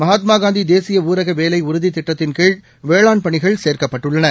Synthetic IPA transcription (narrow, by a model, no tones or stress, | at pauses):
mɐɦaːt̪maːɡaːnd̪id̪eːsɪjɐuːɾɐɣɐʋeːlɐɪʊɾʊðit̪ːɪʈːɐt̪ːɪnkeːɖ | ʋeːɭaːnpɐɳɪɣɐɭseːɾkɐpːɐʈːɯɭːɐnɐ